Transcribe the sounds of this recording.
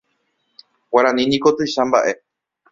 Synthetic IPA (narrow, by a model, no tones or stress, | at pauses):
waɾãnĩnĩkot̪ɨjʃamba̰ʔe̞